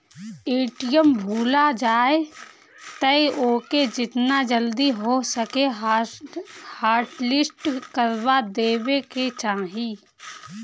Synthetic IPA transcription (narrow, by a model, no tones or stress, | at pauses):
eːʈijəmbʱuːlad͡ʒaːe | t̪əeoːked͡ʒɪt̪nad͡ʒəld̪iɦosəke | haːɾʈlɪsʈkəɾbad̪eːbeket͡ʃãːɦi